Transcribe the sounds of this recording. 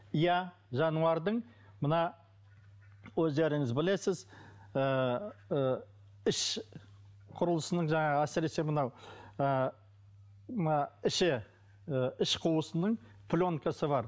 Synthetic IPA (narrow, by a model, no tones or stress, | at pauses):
ija | ʒɑnuɑɾd̪əɴ | mənɑ | wɵzd̪e̞ɾɪŋɪzbɪle̞sɪz | ə | ɪʃ | qʰʊɾəlˠəsənəɴʒɑɴɑəæsɪɾe̞semənɑwə | mnɑɪʃɪ | ɪʃqʰʊəsənəɴ | pʰlʲo̞ŋkʰasəβɑɾ